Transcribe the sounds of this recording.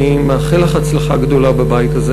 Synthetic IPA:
imaːχilaχat͡slaχaɡd̪o̞labebajt̪aze

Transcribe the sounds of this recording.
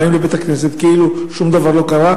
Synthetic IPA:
imlebe̞t̪aknes̬et̪keʔiluʃumd̪avaʁlo̞kaʁa

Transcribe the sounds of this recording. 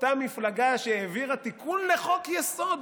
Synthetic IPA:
t̪amiflaɡaʃeeviʁat̪ikʰunle̞χo̞kjeso̞d̪

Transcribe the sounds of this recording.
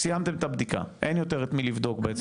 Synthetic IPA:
sijamt̪e̞met̪abd̪ika̰ʔenjot̪e̞ʁet̪milivd̪o̞kbeet͡s

